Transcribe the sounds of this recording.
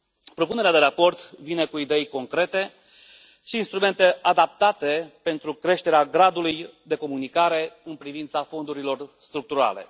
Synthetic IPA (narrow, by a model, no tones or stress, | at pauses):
pɾo̞pune̞ɾead̪e̞ɾapo̞rt̪vine̞kuid̪e̞jko̞ŋkɾe̞t̪e̞ | ʃiːnst̪ɾume̞nt̪e̞ʔad̪ap̚t̪at̪e̞pe̞nt̪ɾukɾe̞ʃt̪e̞ɾeaɡɾad̪ulujd̪e̞ko̞munikaɾe̞ɨnpɾivint̪safo̞nd̪uɾilo̞rst̪ɾuk̚t̪uɾa̰le̞̰